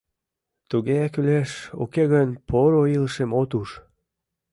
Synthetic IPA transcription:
t̪uɣeækyleʃo̰keɣənpoɾoiləʃemot̪uʃ

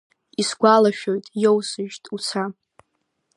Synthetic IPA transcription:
isɡʷalaʃᶣojtʼjowsɨʒtʼut͡sʰa

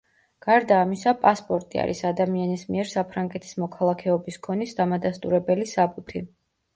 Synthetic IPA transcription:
ɡ̥aɾd̪aːmisapʼaspʼɔɾt̪ʼia̰ɾḭsad̪amianismiɛɾsapʰɾaŋɡɛt̪ʰi̥smɔkʰalˠakʰɛɔbiskʰɔnisd̪amad̪ast̪ʼuɾɛbɛlisabut̪ʰi

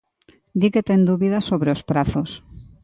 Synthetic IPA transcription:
d̪iket̪end̪uβiðasoβɾeospɾaθos

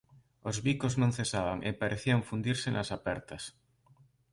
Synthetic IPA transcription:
ozβikoznõŋθesaβaŋʔḛpaɾʔeθiaŋfund̪iɾsɪnʔasapɛɾt̪ɐs

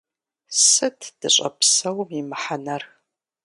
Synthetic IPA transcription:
sɨtʰd̥ɨɕʼɐ̰psɐwmimɨħanɐrx

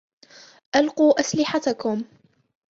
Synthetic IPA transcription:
ʔalquːʔaslɪħat̪akʊm

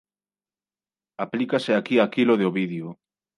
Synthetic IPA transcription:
aplikaseakiakiloðeoβiðjo

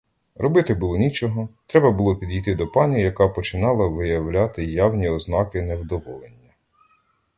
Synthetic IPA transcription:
ɾɔbɪt̪ɪbulˠɔnʲit͡ʃɔɦɔt̪ɾɛbɐbʊlˠɔpʲid̪ʲijt̪ɪd̪ɔpɑnʲijɐkɑpɔt͡ʃɪnɑlˠɐʋɪjɐwlʲat̪ɪjawnʲiɔznɑkɪnɛwd̪ɔʋɔlˠenʲːɐ

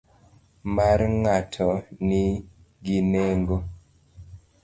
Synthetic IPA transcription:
maɾŋatʰɔni | ɡineŋɡo

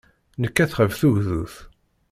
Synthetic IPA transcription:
nəkːæθχəvθuʝðuθ

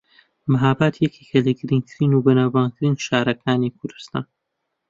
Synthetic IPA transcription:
mɨɦaːbaːt̪ʰjɛkʰekʰɐlɐɡɨɾiŋt̪ʰɨɾiːnubɐnaːwbaːnt̪ʰɨɾiːnʃaːɾɐkʰaːnikʰʊɾd̪ɨst̪a̰ːn

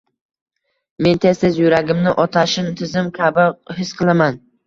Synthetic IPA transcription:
me̞nt̪ʰest̪ɪzjʊɾaɡʲɪmnɪʔɒt̪ʰaʃɪnt̪ʰɪzɪmkʲʰabɪhɪsqʰɨlˠaman

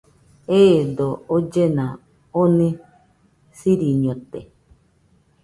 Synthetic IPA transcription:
ed̪ood͡ʒenã | onẽ | siɾiɲõt̪ḛ

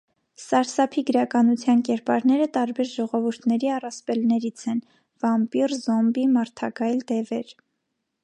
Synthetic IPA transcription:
sɑɾsɑpʰiɡəɾɑkɑnut͡sʰjɑnkɛɾpɑɾnɛɾət̪ɑɾbɛɾʒɔʁɔvuɾt̪ʰnɛɾiɑrɑspɛlnɛɾit͡sʰɛn | vɑmpirzɔmbimɑɾt̪ʰɑɡɑjld̪ɛvɛɾ

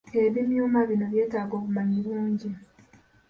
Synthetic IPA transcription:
eβimjuːmaβino̞βje̞ːtaːɡoːβumaɲiɾuːɲɟi

